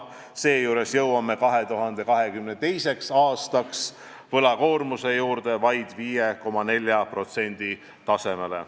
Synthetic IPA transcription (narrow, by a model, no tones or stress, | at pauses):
se̞ːjuːɾe̞sjɤwwɑmːe̞kɑɦe̞t̪uɦɑnd̪̥e̞kɑɦe̞kymnet̪e̞jse̞ksɑːst̪ɑks | vɤlɑko̞ːrmuse̞juːɾd̪̥e̞vɑjd̪̥viːjeko̞mɑne̞lʲjɑpro̞t̪se̞nʲd̪̥i | t̪ɑse̞me̞lḛ